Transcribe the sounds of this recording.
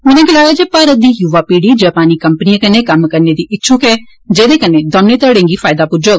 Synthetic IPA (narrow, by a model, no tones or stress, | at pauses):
mɛnẽːɡɪlaːjaːd͡ʒeːpaːɾət̪̚d̪iːjuːʋaːpiːɽiːd͡ʒaːpaːniːkəmpənijãːkəneːkəmːkəɾneːd̪iːʔɪtːʃʰuːkɛː | d͡ʒeːd̪eːkəneːd̪ɔ̃ːnːeːt̪əɽẽːŋɡiːpʰaːɪd̪aːpʊd͡ʒoːɡ